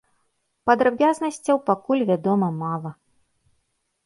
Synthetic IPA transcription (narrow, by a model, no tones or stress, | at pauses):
pɐd̪ɾabʲaznɐsʲt͡sʲɐwpakulʲvʲad̪ɔmɐmalˠɐ